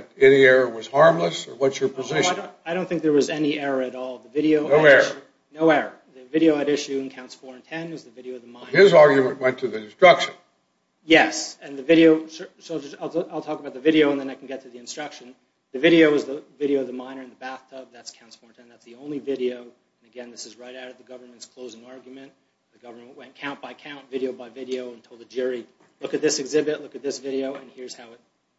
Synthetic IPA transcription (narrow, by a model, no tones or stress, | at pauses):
ɾɛniɛɹəwʌz̥hɑɹmləsə˞wʌtsjə˞pʰəzɪʃaɪ̃aɪɾõʊ̃nθɪ̃ŋk̚ðə˞wʌzɛniɛɹə˞ɨɾɔlˠðɨvɪɾioʊnoʊɛɹə | noʊɛɹə˞ðɨvɪɾioʊɨɾɪʃʉɨ̃nkʰãʊ̃ntsfɔɹɨ̃ntʰɛ̃nɨzðɨvɪɾioʊʌvðəmãɪ̃ɪzɑɹɡjɨmɨ̃nʔwɛ̃ntʰɨðiɨ̃nstɹ̥ʌkʃɨ̃n | jɛsɨ̃nðɨvɪɾioʊʃəʃlˠd͡ʒʌsaɪlˠaɪlˠtʰɔkəbaʊt̪̚ðɨvɪɾioʊə̃nðɨ̃naɪkʰn̩ɡɛtʰɨðiɨ̃nstɹ̥ʌkʃɨ̃n | ðɨvɪɾioʊʌzðəvɪɾioʊʌvðəmãɪ̃nə˞ɨ̃nðəbæθtʰʌb̚ðætskʰãʊ̃nsfɔɹntʰɛ̃nðætsðiõʊ̃nlivɪɾioʊ | ɨ̃nɨɡɛ̃nðɪsɨzɹaɪɾaʊɾʌvðɨɡʌvə˞mɨ̃ntskʰl̥oʊzɪ̃ŋɑɹɡjmɨ̃nt | ðɨɡʌvə˞mɨ̃nʔwɛ̃nkʰãʊ̃nb̥aɪkʰãʊ̃ntvɪɾioʊbaɪvɪɾioʊə̃ntʰoʊlˠd̪̚ðɨd͡ʒʊɹi | lʊkɨt̪̚ðɪsɨɡzɪbɨtˡlʊkɨt̪̚ðɪsvɪɾioʊɨ̃nhɪɹz̥haʊɨt̚